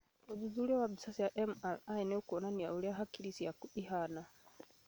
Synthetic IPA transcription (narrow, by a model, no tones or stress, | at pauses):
uðuzulɛwabisasijaʔɛmalainɛukuɔnaniaulɛaɦakiɾisiakuihana